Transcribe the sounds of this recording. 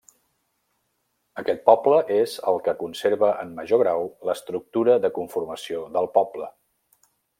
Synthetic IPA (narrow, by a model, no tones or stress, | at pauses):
əkɛt̪̚pɔpləʔezə̰lˠkəkunseɾβəʔəmːəʒoɣɾawləst̪ɾuk̚t̪uɾəðəkuɱfurməsioðəlˠpɔplə